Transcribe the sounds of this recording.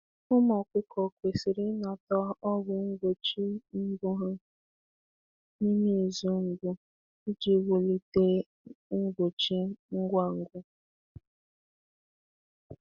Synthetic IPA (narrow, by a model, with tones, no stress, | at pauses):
ʊ˦mɔ˨kʷɪ˦kʰɔ˨kʷe˨si˨ɾɪ˦na˨tɔ˦ɔ˦ɡʊ˨˦ŋ̩˦ɡ͡bo˨t͡ʃi˦ŋ̩˦ɡʊ˦ɦa˦ | ni˦ni˦˨zu˦ŋ̩˨ɡʊ˦ | i˦d͡ʒi˨˦wʊ˨li˦te˦ | ŋ̩˦ɡo˨t͡ʃi˦ŋ̩˦ɡʷa˦˨ŋ̩˦ɡʷʊ˦